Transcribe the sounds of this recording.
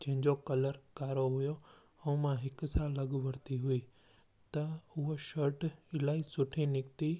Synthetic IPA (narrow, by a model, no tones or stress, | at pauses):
d͡ʑɐ̃ɦɪ̃ɲd͡ʑokɐləɾkaːɾoɦʊjo | ɛ̃mãɦɪkʊ̆saːlːɐɠʋɐɾt̪iɦʊiː | t̪ɐʊɦoʃɐɾʈɪlaːisʊʈʰinɪkt̪i